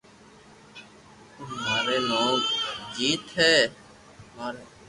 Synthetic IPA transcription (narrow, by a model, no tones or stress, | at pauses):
ʊmaːɾeːmãːkd͡ʒiːt̪ɦɛː | aːɾ